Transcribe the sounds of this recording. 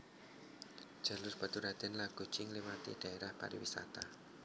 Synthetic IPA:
ʒ̥a̤lʊsb̥at̪uɾad̪ɪnlaɡ̥ṳ̥t͡ʃɪŋlimat̪ḭd̥a̤eɾahpa̰ɾḭwḭsa̰t̪a

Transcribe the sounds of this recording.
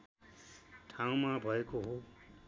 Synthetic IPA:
ʈʰãw̃mabʱʌekoɦo

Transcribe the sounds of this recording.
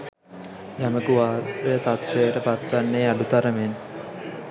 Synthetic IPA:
jɐmɐkuʋaːɾɾujɐt̪ɐt̪ʋeːɐʈɐpɐt̪ʋɐnːeːɐɖut̪ɐɾɐmen

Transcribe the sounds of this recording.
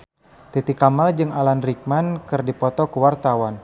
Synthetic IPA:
t̪it̪ikamald͡ʒɨŋalanrik̚mankɨrdipɔt̪ɔkəwart̪awan

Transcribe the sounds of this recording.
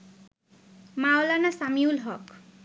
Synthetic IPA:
mawlanasamiulɦʌk

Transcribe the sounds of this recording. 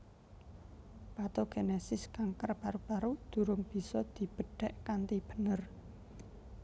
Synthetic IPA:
pat̪oɡ̥enesɪskaŋkərpaɾupaɾud̪̥ṳɾʊŋb̥i̤sɔd̪̥i̤b̥ə̤ɖ̥ɛ̤ʔkant̪ib̥ə̤̥nər

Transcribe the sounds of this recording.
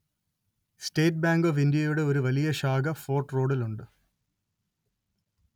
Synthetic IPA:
sʈeːʈ̚baːŋɡofind̪ijɐjuɽe̞oɾuʋɐlijɐɕaːɡɐfoːrʈro̞ːɽiluɳɖɨ

